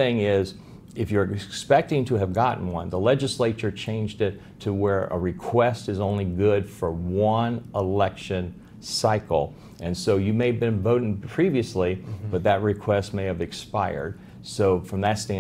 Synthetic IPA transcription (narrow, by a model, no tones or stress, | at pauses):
ɪ̃ŋɪz | ɨfjə˞ɨkspɛk̚tɪ̃ŋtʰɨɨvɡɑʔn̩wʌ̰̃nðəlɛd͡ʒɨsleɪt͡ʃə˞t͡ʃʰẽɪ̃nd͡ʒdɪtʰəwə˞ʔə̰ɹɨkʰw̥ɛstɨzõʊ̃nliɡʊd̥fə˞wʌ̃nəlɛkʃɨ̃n | saɪkl̩ˠ | ʔɨ̃nsoʊjɨmeɪɨvbɨ̃nvoʊɾɪ̃ŋpʰɹ̥iviɨslib̥ʌt̪̚ðɨt̚ɹɨkʰw̥ɛst̚meɪɨvɨkspaɪə̰˞d̥̚ | soʊfɹʌ̃mðɨtstæ̃